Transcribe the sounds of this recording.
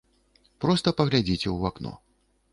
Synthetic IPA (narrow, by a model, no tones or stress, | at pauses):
pɾɔst̪ɐpɐɣlʲad͡zʲit͡sʲɛwaknɔ̰